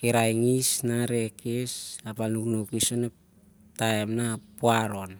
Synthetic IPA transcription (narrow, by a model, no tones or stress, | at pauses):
keɾajŋisnaɾekesapalnuknokisone | taemnapoaɾon